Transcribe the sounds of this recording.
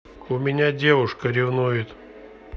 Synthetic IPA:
ʊmʲɪnʲadʲevʊʂkəɾʲɪvnujɪt̪

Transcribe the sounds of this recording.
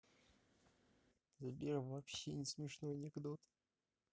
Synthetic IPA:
zɐbʲiɾəvɐpɕːenʲɪsmʲɪʂnojənʲɪɡd̪ot̪

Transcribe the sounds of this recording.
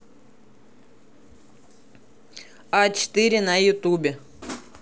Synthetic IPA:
at͡ɕɪ̥t̪ɨɾʲɪnɐjʊt̪ubʲɪ

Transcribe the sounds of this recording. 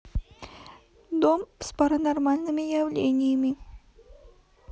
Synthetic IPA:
d̪omspaɾanaɾmalʲnɨmejawlʲenʲimi

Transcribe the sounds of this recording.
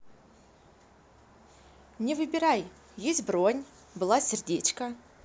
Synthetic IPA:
nʲɪvɨbʲɪɾaj | jesʲtʲbronʲ | bɨlˠasʲɪrdʲet͡ɕkə

